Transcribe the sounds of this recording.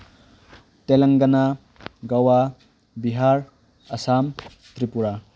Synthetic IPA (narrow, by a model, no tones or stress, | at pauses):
telɐŋɡɐna | ɡawa | biɦaɾ | ɐsam | t̪ɾipuɾa